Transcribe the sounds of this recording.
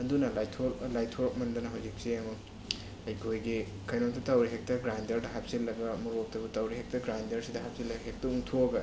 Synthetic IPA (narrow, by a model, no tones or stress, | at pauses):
ɐdunɐlajtʰolajtʰoɾɐk̚mɐndɐnɐɦɐwzik̚siɐmɐk | ɐjkʰojɡi | kʰɐjnomtʰɐtɐwɾiɦek̚tɐɡɾajndɐɾdɐɦap̚silːɐɡɐmuɾok̚tɐbutɐwɾiɦek̚tɐɡɾajndɐɾsidɐɦap̚silːɐɡɐɦek̚tɐuŋtʰoɡɐ